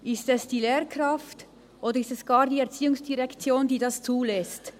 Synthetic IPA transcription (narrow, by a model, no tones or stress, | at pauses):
ʔɪstɛsd̥iːleːʁkrɑft | ʔoːdəɾɪstɛsɡ̥ɑːʁdiːɛɐʁt͡siːʊŋsd̥iʁɛkt͡sjoːndiːdɑst͡suːlɛst